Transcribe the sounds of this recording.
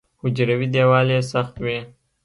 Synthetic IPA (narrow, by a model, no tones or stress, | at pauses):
hʊd͡ʒɾawid̪eːwɑːlesaxt̪wi